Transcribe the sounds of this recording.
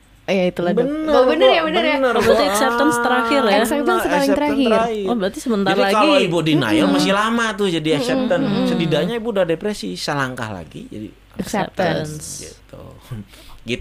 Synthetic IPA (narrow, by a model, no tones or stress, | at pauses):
jait̪uladəunəabənərjabənərjanərbɾat̪iɛksɛp̚t̪ənst̪əɾahɪrjɛasɛp̚t̪ənsəpalɪŋtɛəɾaɦɪɾrhiwahbəɾat̪isəmənt̪aiɾt̪laaibudina̰jɔlmasɪhlamat̪ʊhd͡ʒadiɛksɛp̚t̪ənsədidaɲaibudahdepɾɛsisəlaŋka̰hla̰ɡḭd͡ʒa̰dḭ | ɛksɛp̚t̪ənsɡḭt̪ṵ | ɡit̪u